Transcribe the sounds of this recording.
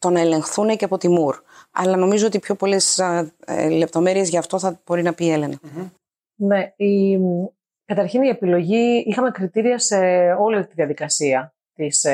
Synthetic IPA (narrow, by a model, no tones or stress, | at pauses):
t̪o̞nɐele̞ŋxθuneceɐpo̞t̪imuɾɐ̰lɐno̞mizo̞o̞t̪ipço̞po̞le̞s | le̞p̚t̪o̞me̞ɾie̞zʝɐːft̪o̞θɐb̥o̞ɾinɐpiele̞nɐ | ne̞i | kɐt̪ɐɾçinie̞pilo̞ʝiixɐme̞kɾit̪iɾiɐse̞o̞liɐt̪iðiɐðikɐsiɐ | t̪is